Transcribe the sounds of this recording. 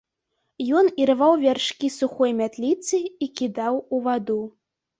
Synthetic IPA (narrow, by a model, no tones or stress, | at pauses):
jɔniɾɨvawvʲarʂkʲisuxɔjmʲat̪lʲit̪sɨikʲid̪awuvad̪u